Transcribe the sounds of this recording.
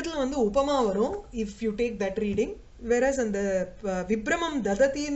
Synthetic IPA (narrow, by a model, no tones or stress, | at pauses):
ɐt̪ːɪlɐ̃ʋɐnd̪ɯʊpɐmaːʋɐɾõːɪfjuːʈeːk̚d̪ɐʈɾiːɽɪ̃ŋ | ʋɛːɾɛːzɐnd̪ɐʋɪbɾɐmɐmd̪ɐd̪ɐt̪iːn